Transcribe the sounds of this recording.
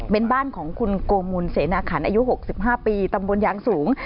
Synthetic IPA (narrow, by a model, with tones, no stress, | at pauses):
pe˧nbaː˥˩nkʰɔː˩˦ŋkʰu˧nkoː˧mu˧nseː˩˦naː˧kʰa˩˦nʔaː˧ju˦˥ɦo˨˩k̚si˨˩p̚ɦaː˥˩piː˧t̪a˧mbo˧njaː˧ŋsuː˩˦ŋ